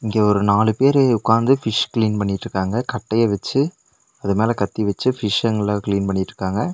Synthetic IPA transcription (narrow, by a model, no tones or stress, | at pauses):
ɪŋɡeːɔɾɯnaːlɯpeːɾeʊkːaːnd̪ɯfɪʂkliːnpɐɳːɪʈːrɯkːaːŋɡɐkɐʈːɐjɐʋɐt͡ʃːɯ | ɐðɯmeːlɐkɐt̪ːiʋɐt͡ʃːɯfɪʂɐŋɡɐlaːkɪliːnpɐɳːɪʈːɾɯkːaːŋɡɐ